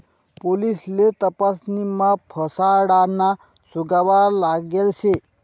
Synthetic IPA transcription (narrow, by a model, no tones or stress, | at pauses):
polislet̪əpasnimapʰəsaɽana | suɡaʋalaɡelɕe